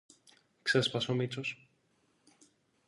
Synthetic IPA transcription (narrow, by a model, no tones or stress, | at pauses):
ksespɐsomit͡sos